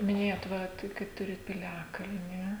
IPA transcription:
mʲɪˈnʲeːjoːt ˈʋɐ ˈtɐɪ kɐt ˈtʊrʲɪt pʲɪˈlʲæːkɐlʲnʲɪ

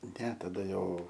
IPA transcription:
nʲɛ tɐˈdɐ ˈjɛʊ

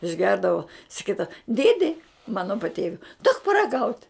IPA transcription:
ɪʒʲˈɡʲɛrdɐʋoː sɐˈkʲiːdɐʋɐ ˈdʲeːdʲɪ ˈmɑːnoː pɐˈtʲeːʋʲʊɪ duɔk pɐrɐˈɡɐʊtʲ

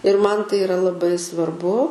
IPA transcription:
ɪr ˈmɐn ˈtɐɪ ɪˈrɐ lˠɐˈbɐɪ sʋɐrˈbʊ

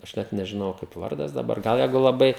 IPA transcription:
ɐʃ ˈnʲɛt nʲɛʒʲɪˈnoːjɛʊ kɐɪp ˈʋɐrdɐs dɐˈbɐr ˈɡɐlˠ ˈjɛɪɡʊ lˠɐˈbɐɪ

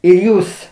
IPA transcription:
ɪr ˈjuːs

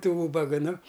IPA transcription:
tuː ˈuːbɐɡɐ nʊ

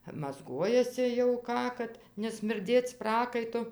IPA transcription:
mɐzˈɡuɔjɛsʲɪ jɛʊ ˈkɑː kɐt nʲɛsʲmʲɪrʲˈdʲeːt͡s ˈprɑːkɐɪtʊ

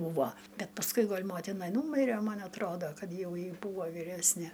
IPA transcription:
ˈbuːʋoː ˈbʲɛt pɐsˈkʊɪ ˈɡoːlʲ ˈmoːtʲɪnɐ ˈnuːmʲɪrʲɛ ˈmɐn ɐtˈroːdoː ˈkɐt ˈjɛʊ ˈjɪ ˈbuːʋoː ʋʲiːˈrʲæːsʲnʲɛ

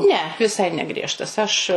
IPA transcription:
nʲɛ ˈʋʲɪsɐɪ nʲɛˈɡrʲiɛʃtɐs ɐʃ

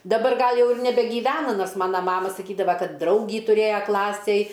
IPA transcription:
dɐˈbɐr ˈɡɐlˠ ˈjɛʊ ɪr nʲɛbʲɛɡʲiːˈʋʲæːnɐ ˈnoːrs ˈmɑːnɐ ˈmɑːmɐ sɐˈkʲiːdɐʋɐ ˈkɐt ˈdrɐʊɡʲiː tʊˈrʲeːjɛ ˈklˠɑːsʲeːj

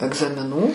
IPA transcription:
ɛɡzɐmʲɪˈnuː

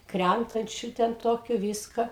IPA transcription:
ˈkrʲæntɐnʲt͡ʃʲʊ tʲɛn ˈtoːkʲʊ ˈʋʲiːskɐ

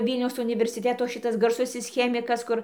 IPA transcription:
ˈʋʲiːlʲnʲɛʊs ʊnʲɪʋʲɛrʲsʲɪˈtʲæːtoː ˈʃʲɪtɐs ɡɐrˈsʊsʲɪs ˈxʲæːmʲɪkɐs ˈkʊr

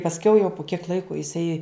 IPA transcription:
pɐsʲˈkʲɛʊ jɛʊ pʊ kʲiɛk ˈlˠɐɪkʊ jɪˈsɐɪ

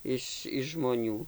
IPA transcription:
ˈɪʃ ʒmoːˈnʲuː

